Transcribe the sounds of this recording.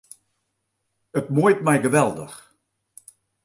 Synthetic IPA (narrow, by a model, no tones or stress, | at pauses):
ətmujtmɛjɡəʋɛlˠdəx